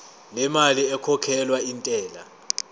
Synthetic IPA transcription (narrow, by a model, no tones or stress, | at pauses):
lɛmaliɛkʰɔkʰɛlwaintʼɛːla̰